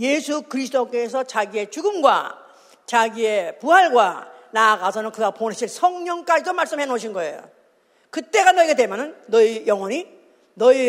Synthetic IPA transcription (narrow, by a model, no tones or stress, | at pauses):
jesʰukɯɾis̬ʰɯdok͈e̞sʰʌt͡ɕaɡie̞t͡ɕuɡɯmɡwa̰ | t͡ɕaɡie̞puɦaɭɡwa̰naɡasʰʌnɯnkɯɡapone̞ɕʰinsʰʌŋɲʌŋk͈ad͡ʑidomaɭs͈ɯmɦe̞noɕʰinɡʌe̞jo̰ | kɯt͈e̞ɡanʌiɡedemjʌnɯnːʌijʌŋwʌɲi | nʌi